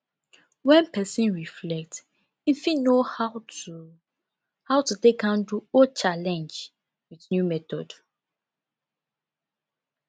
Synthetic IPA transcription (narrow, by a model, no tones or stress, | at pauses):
wɛ̃npɛsĩnɹiflɛk̚t | ĩfĩnohaʊtu | hawtudekãnduɔt͡ʃalɛ̃nd͡ʒ | wiθnjumɛtɔ̰d